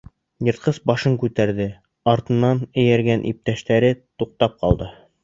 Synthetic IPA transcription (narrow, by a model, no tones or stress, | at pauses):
jɤ̆ɾt̪̚qɤsbɑʃɤŋkʉt̪æɾðɘ | ɑɾt̪ɤ̆nːɑnɘ̆jæɾɡænʔḭp̚t̪æʃt̪æɾɘt̪uq̚t̪ɑp̚qɑ̰lˠd̪ɤ